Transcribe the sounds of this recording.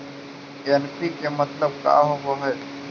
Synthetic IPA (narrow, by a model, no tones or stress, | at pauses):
ɛnpikemɐt̪ləb̚ka̰ːɦoɡoɦɛː